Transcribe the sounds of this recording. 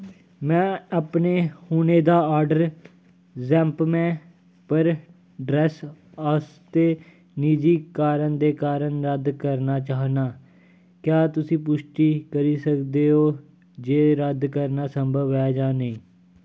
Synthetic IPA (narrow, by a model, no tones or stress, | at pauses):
mɛ̃ːəpneːhuːneːd̪aːaːɾɖəɾ | zɛ̃ːmpmɛ̃ː | pəɾ | ɖɾɛːs | aːst̪eː | niːd͡ʒiːkaːɾəɳd̪eːkaːɾənɾəd̪kəɾnaːt͡ʃaːɦnaː | kjaːt̪ʊsĩːpʊʃʈiːkəɾiːsəkd̪eːɦoː | d͡ʒeːɾəd̪kəɾnaːsəmbʱəʋɛːd͡ʒaːnəĩː